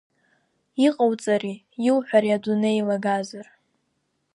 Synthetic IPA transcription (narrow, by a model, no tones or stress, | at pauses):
iqʼawt͡sʼari | jiwħʷᶣaɾiaduneilaɡazar